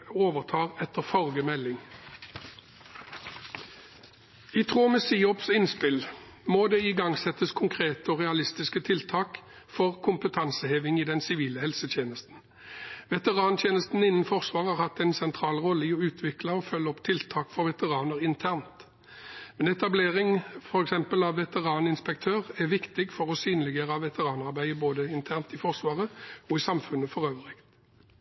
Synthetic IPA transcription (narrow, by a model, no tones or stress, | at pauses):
oːʋəʁt̪ʰɑːʁɛt̪əʁfɔʁɡəmɛlːɪŋ | ɪt̪ʰʁuːmɛsiːɔpsɪnspɪl | moːd̪eːɪɡɑŋsɛt̪ːəskʰʊŋkʰʁeːt̪əɔːʁɛɑlɪst̪ɪskət̪ʰɪlt̪ʰɑːk | fɔʁkʰʊmpət̪ʰɑnsəheːʋɪŋiːd̪ɛnsɪʋiːləhɛlsət̪ʰjeːnəst̪n̩ | ʋɛt̪əʁɑːnt̪ʰjeːnəst̪n̩ɪnːənfɔʁsʋɑːʁhɑʁhɑt̪ːɛɪnsɛnt̪ʰʁɑːlʁɔlːəɪɔʉːt̪ʰʋɪklɑɔfœlːəɔpt̪ʰɪlt̪ʰɑːkfɔʁʋɛt̪əʁɑːnəʁɪnt̪ʰæʁnt̪ | mɛnɛt̪ɑbleːʁɪŋfɔɾɛksɛmpəlɑʋːɛt̪əʁɑːnɪnspɛk̚t̪ʰøːʁæʁʋɪkt̪ɪɡfɔʁɔsyːnlɪɡeːʁɑʋɛt̪ʰəʁɑːnɑʁbæɪəboːd̪əɪnt̪ʰæʁnt̪ɪfɔʁsʋɑːʁəɔɪsɑmfʉnəfɔʁøːʋəʁɪkt̪